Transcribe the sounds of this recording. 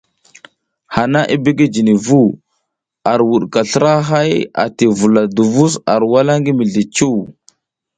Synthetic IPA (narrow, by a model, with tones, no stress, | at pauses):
ha˨na˦ʔi˦bi˦ɡe˦d͡ʒi˨ni˨vu˦˨ | a˨ɾwu˨ɗka˨ɬə˦ɾa˦ɦa˦ja̰˨ti˨vu˨la˨du˨vu˦sa˨ɾwa˦la˦ŋɡi˦mi˨ɮi˨t͡ʃu˦w